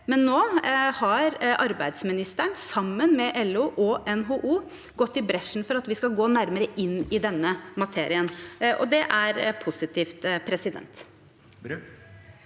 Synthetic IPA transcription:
mɛnːoːhɑɾʔɑɾbæɪd̪smɪnɪst̪əɳsɑmːənmɛʔɛlʉːʔɔʔɛnɦoːʔuː | ɡɔt̪ːɪbɾɛʂn̩fɔɾɑt̪ʋɪskɑlɡoːnæɾməɾəʔɪnːɪd̪ɛnːəmɑt̪ʰeːɾɪənʔɔ̰d̪ɛʔæɾpʰʊsɪt̪ʰiːft̪pʰɾɛsɪd̪ɛ̰nt̪

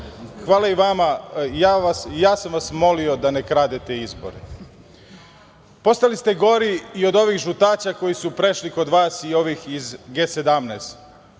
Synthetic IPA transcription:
xʋaːlaiʋamajaʋasjaːsamʋasmo̞lio̞d̪anekɾaːd̪et̪eizbo̞̰ɾe | po̞st̪alist̪e̞ɡo̞ɾiːo̞d̪o̞ʋixʒut̪aːt͡ɕako̞jisupɾeʃliko̞d̪ʋaːsio̞ʋixizɡe̞ːse̞d̪amneːst̪

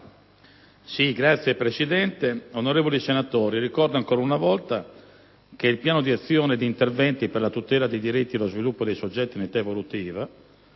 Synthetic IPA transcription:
siɡɾat̪sːjepɾesid̪ɛnt̪eonoɾɛːvolisenat̪oːɾirikɔrd̪oaŋkoːɾaunavɔlt̪a | keilpjaːnod̪iat̪sːjɔːned̪iːnt̪ervɛnt̪iperlat̪ut̪ɛːlad̪ejd̪iɾit̪ːielozvilupːod̪ejsod͡ʒːɛt̪ːinet̪aevolut̪iːva

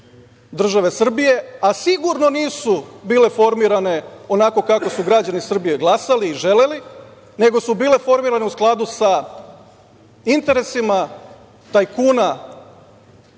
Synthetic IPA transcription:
d̪r̩ʒaʋe̞sr̩bije̞asiɡuɾno̞niːsubiːle̞fo̞ɾmiɾane̞o̞nako̞kako̞suɡɾad͡ʑanisr̩bije̞ɡlˠasaliːʒe̞le̞li | ne̞ɡo̞subiːle̞fo̞ɾmiɾane̞usklˠad̪usa | int̪e̞ɾe̞sima | t̪ajkuːna

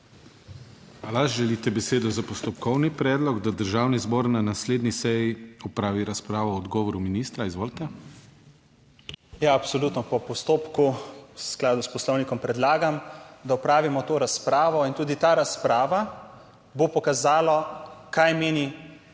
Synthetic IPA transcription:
alaʒɛlit̪ɛbɛseːd̪ɔzapɔst̪ɔpkʰɔwnipɾɛːd̪lɔɡd̪ad̪əɾʒaːwnizboːɾnanasleːd̪nisɛjiɔpɾaːʋiɾaspɾaːʋɔːd̪ɡɔːʋɔɾuminiːst̪ɾaizʋoːlit̪ɛ | jaɐpsɔluːt̪nɔpɔpɔst̪oːpkuwsklaːd̪uspɔslɔwnikɔmpɾɛd̪laːɡamd̪aɔpɾaːʋimɔt̪oːɾaspɾaːʋɔint̪uːd̪it̪aɾaspɾaːʋa | bopɔkazaːlakajmeːni

